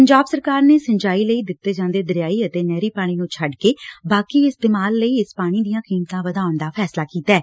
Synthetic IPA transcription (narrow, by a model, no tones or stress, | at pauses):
pəɲd͡ʒaːbsəɾkaːɾneːsə̃ɲd͡ʒaːiːləiːd̪ɪt̪ːeːd͡ʒãːnd̪eːd̪əɾjaːiːət̪eːnɛːɾiːpaːɽ̃iːnũːt͡ʃʰəɖkeːbaːkiːɪst̪eːmaːlːəiːɪspaːɽ̃iːd̪ijãːkiːmt̪ãːʋəd̪aːʊɳd̪aːpʰɛːslaːkiːt̪aɛː